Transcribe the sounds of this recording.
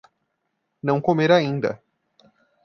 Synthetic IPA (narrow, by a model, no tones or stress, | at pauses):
nɐ̃w̃komeɾaĩnd̪ɐ̰